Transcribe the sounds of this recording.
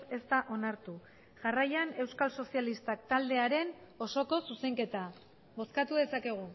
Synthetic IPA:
e̞st̪aʔo̞naɾt̪u | ʝarajane̞wskalso̞sialist̪ak̚t̪ald̪e̞aɾe̞no̞so̞ko̞suse̞ŋke̞t̪a | βo̞skat̪uðe̞sake̞ɣ̞u

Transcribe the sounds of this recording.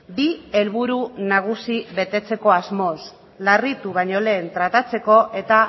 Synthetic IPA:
bie̞lβ̞uɾunaɣ̞usiβe̞t̪e̞t͡se̞ko̞azmo̞s | larit̪uβ̞aɲo̞le̞ːnt̪ɾat̪at͡se̞ko̞ʔe̞t̪a

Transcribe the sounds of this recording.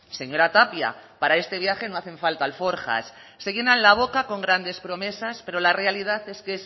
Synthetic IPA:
se̞ɲo̞ɾat̪apja̰paɾae̞st̪e̞β̞jaxe̞no̞aθẽ̞ɱfalt̪aːlfo̞ɾxa̰sː | eɣje̞nanlaβ̞o̞kako̞ŋɡɾand̪e̞spɾo̞me̞saspe̞ɾo̞lare̞alið̞aθe̞skes

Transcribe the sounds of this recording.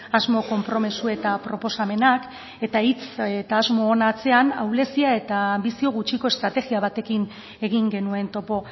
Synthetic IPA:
azmo̞ko̞mpɾo̞mesue̞t̪apɾo̞po̞same̞nak | e̞t̪ait͡set̪aːzmo̞ːnat͡se̞ana̰wle̞siae̞t̪aːmbisio̞ɣut͡ʃiko̞e̞st̪ɾat̪e̞ɣiaβ̞at̪e̞kin | e̞ɣiŋɡe̞nue̞nt̪o̞po̞

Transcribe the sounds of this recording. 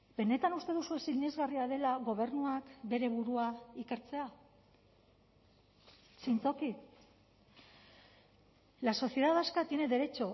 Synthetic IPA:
be̞ne̞t̪anust̪e̞ð̞usuesilɲe̞zɣariaðe̞laɣo̞βe̞ɾnuakbe̞ɾe̞βuɾuaike̞ɾt͡se̞a | sint͡so̞ki | laso̞sie̞ðaðaskat̪ie̞ne̞ðe̞ɾe̞t͡ʃo̞

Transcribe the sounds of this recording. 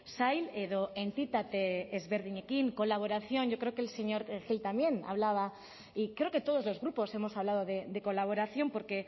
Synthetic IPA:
sajleðoent̪it̪at̪eːzβeɾðiɲekiŋko̞laβ̞o̞ɾaθjo̞nʝo̞kɾeokelse̞ɲo̞ɾxilt̪amje̞na̰βlaβ̞a | ikɾe̞oke̞t̪o̞ð̞o̞zlo̞zɣɾupo̞se̞mo̞saβlað̞o̞ðed̪e̞ko̞laβo̞ɾaθjo̞mpo̞ɾke̞

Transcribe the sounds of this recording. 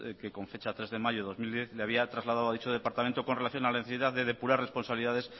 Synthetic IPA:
keko̞ɱfe̞t͡ʃat̪ɾe̞zðemaʝoðo̞zmild̪jeθleaβ̞iat̪ɾazlað̞aðoaðit͡ʃoðe̞paɾt̪amẽnt̪oko̞nrelaθjo̞nalaneθesiðaððe̞ðe̞puɾare̞spo̞nsaβliðaðe̞s

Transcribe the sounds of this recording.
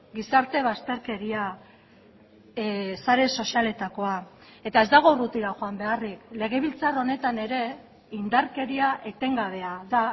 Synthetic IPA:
ɡisaɾt̪e̞β̞ast̪e̞ɾke̞ɾia | saɾe̞so̞siale̞t̪ako̞a | e̞t̪aezd̪aɣ̞o̞rut̪iɾaxoambe̞arikle̞ɣ̞e̞β̞ilt͡saro̞ne̞t̪ane̞ɾe̞ | ind̪aɾke̞ɾiaʔet̪e̞ŋɡaβ̞e̞aða

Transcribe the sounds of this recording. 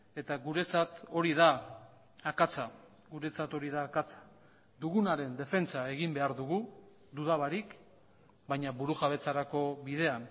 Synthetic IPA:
e̞t̪aɣuɾe̞t͡sat̪o̞ɾiðaː | kat͡sa | ɡuɾe̞t͡sat̪o̞ɾiðaːkat͡sḁ | d̪uɣunaɾe̞nd̪e̞fe̞nt͡sae̞ɣimbe̞aɾðuɣu | d̪uðaβaɾik | bajɲaβuɾuxaβ̞e̞t͡saɾako̞βiðe̞an

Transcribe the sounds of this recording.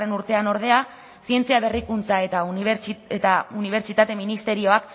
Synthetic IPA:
e̞nuɾt̪e̞ano̞ɾð̞e̞a | sie̞nt͡siaβe̞rikunt͡sae̞t̪aiet̪auniβ̞e̞ɾt͡ʃit̪at̪e̞minist̪e̞ɾio̞ak

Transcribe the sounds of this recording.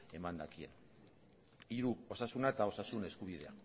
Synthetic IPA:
e̞mand̪akiḛn | iɾuo̞sasunaet̪ao̞sasune̞skuβ̞ið̞e̞a̰

